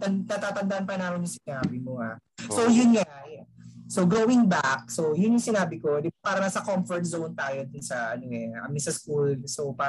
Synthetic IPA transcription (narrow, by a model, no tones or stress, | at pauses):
t̪ɐt̪ɐt̪aːt̪ɐnd̪ɐʔanpɐnaːmɪnjʊŋsɪnaːbɪmoha̰sojʊnŋajasoɡɾoːwɪŋbak̚sowjʊnjʊŋsɪnaːbɪkod̪ɪbapaːɾɐnɐsɐkomfɔɹt̪̚zownt̪aːjod̪ʊnsɐʔɐ̰noʔɛɐ̰mɪsɐskulsopaː